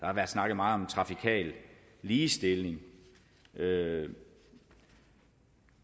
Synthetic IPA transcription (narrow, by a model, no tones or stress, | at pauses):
d̥ɑ̈hɑʋæɐd̥snɑ̈ɡ̥ð̩mɑ̈ːð̩ˠɒ̽mt͡sʰʁɑ̈fikʰɛ̰ːlː | iːsd̥e̝lne̝ŋ | ʔø